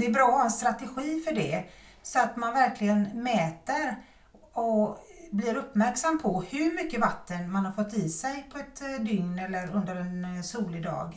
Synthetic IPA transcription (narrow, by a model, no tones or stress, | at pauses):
d̪ɛɛɾbɾɑːɛnst̪ɾat̪ɛɧiːfœɖɛsɔat̪manvæɾklɪɡənmɛːt̪əɾ | ɔblɪɾɵpːmæɾksamːpʰɔhɵɾmʏkːəvat̪ːənmanhaɾfɔt̪ːɪsɛjpʰɔɛt̪d̪ʏŋnɛlːəɾɵnd̪əɾɛnsuːlɪd̪ɑ̰ːɡ